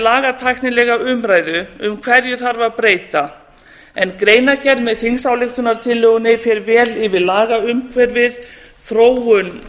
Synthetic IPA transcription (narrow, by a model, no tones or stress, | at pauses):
laːɣat̪ʰajknɪlɛɣaʏmɾaːjðʏʏmkʰv̥ɛɾjʏθaɾvaðpɾeːjt̪a | ɛnkɾeːjnacɛɾðmɛðθinsawlɪxt̪ʏnaɾ̥t̪ʰɪlːœɣʏnɪfjɛɾvɛːlɪvɪðlaːɣaʏmkʰvɛɾvɪð | θɾoːwʏn